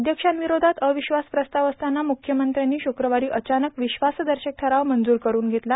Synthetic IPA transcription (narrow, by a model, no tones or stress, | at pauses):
d̪ʱjəkʂanʋiɾod̪ʱat̪əʋiɕʋaspɾəst̪aʋəst̪anːamukʰjəmənt̪ɾjanːiːɕukɾəʋaɾiːʔət͡ɕanəkʋiɕʋasd̪əɾɕək̚ʈ̪ʰəɾaʋmənd͡zuːɾkəɾuːnɡʱet̪la